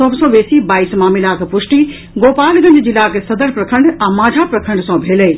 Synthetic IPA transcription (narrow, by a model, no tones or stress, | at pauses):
ɔːsɔʋeːsibaːiːsmaːmilaːkpʊʃʈi | ɡoːpaːlɡɐ̃ɲd͡ʑd͡ʑiːlaːksɐd̪əɾpɾɐkʰə̃ɳɖɛ̃ːmãːd͡ʑʱapɾɐkʰə̃ɳɖsãbʱeːləiː